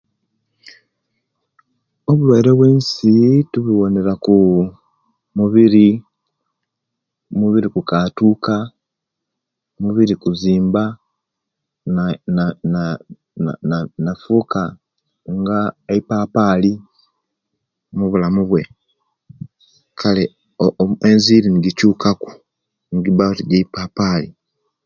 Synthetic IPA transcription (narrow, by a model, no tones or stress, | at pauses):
o̞βulwaiɾe̞βweːnsituβiwo̞ne̞ɾaku | muβiɾi | muβiɾikukatuːka | muβiɾikuziːmba | na̰ | nanafuːka | ŋɡaeipaːpaːli | muβulamuβwe̞ | kʰale | oenziːɾiniɡicuːkaku̥ | ŋiɡiβatiɟeipaːpaːli